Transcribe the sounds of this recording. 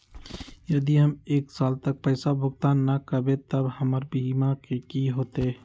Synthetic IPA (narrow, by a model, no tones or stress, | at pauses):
jɐd̪iɦəmeːksaːlt̪ək̚pɛːsabʱʊɡt̪aːnːakəbẽt̪əbhɐməɾbimakekiɦoːt̪e